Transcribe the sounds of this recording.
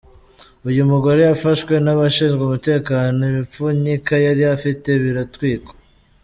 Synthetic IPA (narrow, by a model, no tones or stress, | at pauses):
ujumuɡoɾejafaʃwe̞naβaʃiːnzɡamute̞ːkaːno̞imip͡fuɲikajaɾijafite̞βiɾatwiːko̥